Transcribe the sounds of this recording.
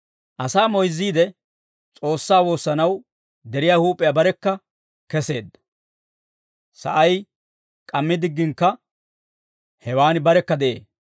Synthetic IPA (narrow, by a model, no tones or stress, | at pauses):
ʔɐsaːmɔjzːiːd̪ɛ | t͡sʼo̞ːsːaːwo̞ːsːɐnɐw | d̪ɛɾɪjaːhuːpʼːɛjabɐɾɛkːɐ | kɛse̞̰ːd̪ːɐ | sɐ̰ʔɐj | kʼɐmːɪd̪ɪɡːɪŋkːɐ | hɛwaːnbɐɾɛkːɐd̪ɛʔḛː